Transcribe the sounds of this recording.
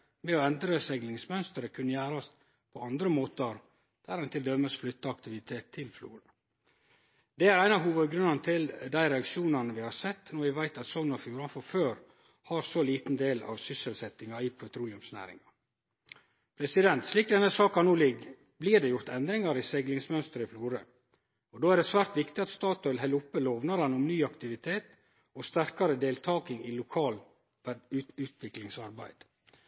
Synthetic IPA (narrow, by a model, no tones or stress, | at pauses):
mɛɔɛnd̪ɾəsɛɡlɪŋsmœnst̪əɾəkʰʉnːəjæːɾɑst̪ | pʰɔɑnd̪ɾəmoːt̪əɾ | d̪̥æːɾɛnt̪ɪld̪œməsflʏt̪ːəɑkt̪ɪʋɪt̪ʰeːt̪ʰːɪlflṵːɾɑ | d̪ɛæɾæɪnɑɦuːʋəd̪ɡɾʉnɑnt̪ʰɪld̪æɪɾɛɑkʃuːnɑnəʋɪhɑɾsɛt̪ːnɔʋɪʋæɪt̪ɑt̪sɔmnɔɾfjuːɾɑnfɔɾføːɾ | hɑɾsɔliːt̪n̩d̪eːlɑ̰ʋsʏsəlsɛt̪ːɪŋɑipʰɔt̪ʰɾuːlɪʉmsnæ̰ːɾɪ̰ŋɑ | pʰɾɛsɪd̪ɛnt̪sliːk̚d̪ɛnːəsɑːkɑnuːlɪɡ | bliːɖɛjʊɾt̪ɛnd̪ɾɪŋɑɾɪseɡlɪŋsmœnst̪əɾəɪfluːɾə | ɔd̪oːæɾɖ̪ɛsʋæːɾt̪ʋɪkt̪ɪɑt̪st̪ɑːt̪ːɪlɦɛləʊpːəloːʋnɑɾɛnɔmnyːɑkt̪ɪʋɪt̪ʰeːt̪ | ɔst̪æɾkɑɾəd̪eːlt̪ʰɑːkɪŋɪlʊkʰɑːl | ʉːʉːt̪ʰʋɪklɪŋsɑɾbæ̰ɪd̪̥